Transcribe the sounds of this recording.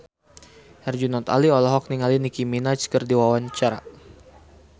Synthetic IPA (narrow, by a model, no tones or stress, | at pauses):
hɛrd͡ʒunat̪a̰liɔlɔɦɔk̚niŋalinikiminat͡ʃkərdiwawaɲt͡ʃaɾa